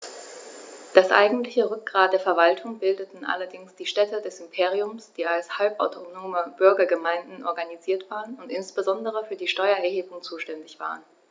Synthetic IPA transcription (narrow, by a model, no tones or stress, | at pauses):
d̥asʔa̰ɪɡŋ̩tlɪçəʁʏk̚ɡ̥ʁaːtd̥eːɐfɛɐvaltʰʊŋbɪldətn̩ʔa̰lɐdɪŋsd̥iːʃtɛtədɛsɪmpʰeːʁiʊmsd̥iːalshalpʔa̰ʊtʰonoːməb̥ʏɐɡɐɡəmaɪndn̩ʔɔɐɡaniziːɐtv̥aːʁənʊntɪnsb̥əzɔndəʁ̞əfyːɐdiːʃtɔʏɐɛɐɦeːbʊŋt͡suːʃtɛndɪçv̥a̰ːʁ̞ən